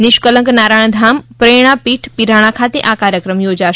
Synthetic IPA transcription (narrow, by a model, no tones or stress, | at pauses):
nɪʃkələ̃ŋknaɾaɳ̃d̪ʱampɾeɽ̃apiʈʰpiɾaɽ̃akʰat̪eʔakaɾjəkɾəmjod͡ʒaʃ